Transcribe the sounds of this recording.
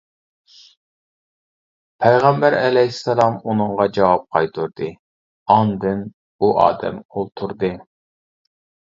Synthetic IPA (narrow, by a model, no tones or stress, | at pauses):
pʰɛjʁɛmbæɾɛlɛjisːɑlˠɑmunɨŋʁɑd͡ʒɑwɑp̚qʰɑjt̪ʰuɾd̪ɨ | ɑnd̪ɨn | uʔɑ̰ːd̪ɛ̰molˠt̪ʰuɾd̪ɨ